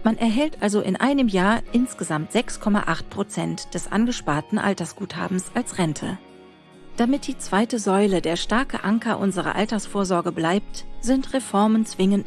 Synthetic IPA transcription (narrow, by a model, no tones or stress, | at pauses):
manʔɛɐɦɛltʔalzoʔɪnʔa̰ɪnəmjaːɐʔɪnsɡ̥əzamtz̥ɛkskʰɔma̰ʔaχt̚pʁ̥ot͡sɛntd̥ɛsʔa̰nɡəʃpaɐtn̩ʔa̰ltɐsɡ̥uːtha̰ːbm̩sʔalsʁɛntʰə̰ | d̥amɪt̚d̥iːt͡sv̥aɪtəzɔʏlədeːɐʃtaɐkəʔaŋkɐʔʊnzəʁɐ̰ʔaltɐsfoːɐzɔɐɡəblaɪp̚tz̥ɪntʁefɔɐmənt͡sv̥ɪŋən